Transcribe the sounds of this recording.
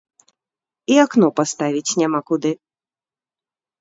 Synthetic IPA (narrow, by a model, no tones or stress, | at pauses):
iaknɔpast̪avʲit͡sʲnʲamakud̪ɨ